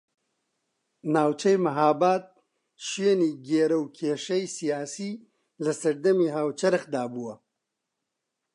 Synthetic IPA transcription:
naːwt͡ʃɐjmaɦaːbaːt̪̚ | ʃweniɡeːɾawkʰeːʂɐjsijaːsi | lɐsɐɾd̪ɐmiɦaːwt͡ʃɐɾɐxd̪aːbuwa

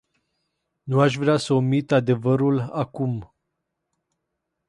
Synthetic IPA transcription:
nuaʃ̬vɾeasəomit̪ad̪e̞vəɾulakum

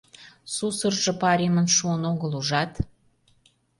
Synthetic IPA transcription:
susərʒɤ̆pɑɾʲimənʃuənoɣəluʒɑt̪

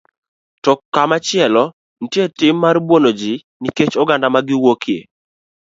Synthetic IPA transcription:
tɔkːamat͡ʃɪɛlɔ | nitjetɪmːarbwonod͡ʒi | niket͡ʃɔɡandamaɡɪwokʰje

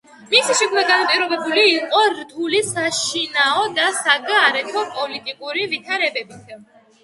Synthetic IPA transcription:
misiʃɛkʰnd̪aɡanap̪ʼiɾɔbɛbuliːqʼɔɾt̪ʰulisaʃinaɔd̪asaɡaːɾɛt̪ʰɔpʼɔlit̪ʼikʼuɾivit̪ʰaɾɛbɛbit̪ʰ

